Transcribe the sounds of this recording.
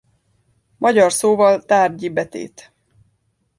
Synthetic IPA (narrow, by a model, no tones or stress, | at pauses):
mʔɒɟɒrsoːvɒlt̪aːrɟibɛt̪ḛːt̪